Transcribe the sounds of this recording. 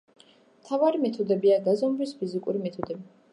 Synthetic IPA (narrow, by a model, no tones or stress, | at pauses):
mt̪ʰavaɾimɛt̪ʰud̪ɛbiaɡazɔmvispʰizikʼuɾimɛt̪ʰud̪ɛbi